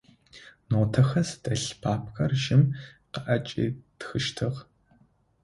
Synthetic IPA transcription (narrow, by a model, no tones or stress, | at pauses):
noːtʰɐxɐsdʰɐɬpʰaːp̚ʰxɐrʒɪmqɐʔɐt͡ʃʼḭːtxɨʃtʰɨʁ